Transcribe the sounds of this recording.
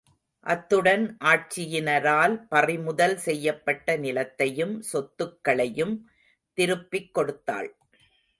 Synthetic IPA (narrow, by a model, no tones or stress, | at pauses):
ʔɐt̪ːɯɽɐnʔaːʈ̚t͡ʃɪjɪnɐɾaːlpɐrɪmʊðɐlsɛjːɐpːɐʈːɐnɪlɐt̪ːɐjɯmsɔt̪ːɯkːɐɭɐjɯm | t̪ɪɾɯpːɪkːɔɽɯt̪ːa̰ːɭ